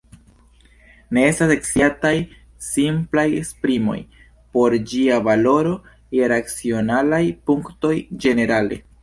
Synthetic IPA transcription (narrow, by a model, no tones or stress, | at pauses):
ne̞e̞stase̞ksiataj | simplajḛkspɾimo̞̰j | po̞ɾd͡ʒiavalo̞ɾo̞ | jeɾat͡sio̞nalajpuŋkto̞jd͡ʒe̞ne̞ɾale̞̰